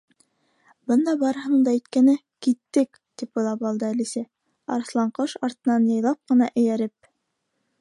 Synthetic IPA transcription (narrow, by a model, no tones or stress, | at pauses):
bɤnd̪ɑbɑɾɤ̆hɤɴd̪ɑit̪kænɘ | kit̪ːɘk | t̪ip̚bɤ̆lˠɑpɑlˠd̪ɤælisæ | ɑ̰ɾ̆slˠɑɴqɤʃɑɾt̪ɤ̆nɑnjɤ̆jlˠɑp̚qɤ̆nɑʔɘ̆jæɾɘp̚